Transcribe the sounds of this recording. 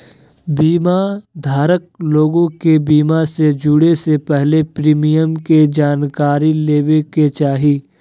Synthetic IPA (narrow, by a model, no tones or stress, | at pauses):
biːmad̪ʱaːɾək̚loːɡõkebiːmased͡ʒʊɽesepɛɦlepɾiːmijəmked͡ʒaːnkaːɾileːweket͡ʃaːɦiː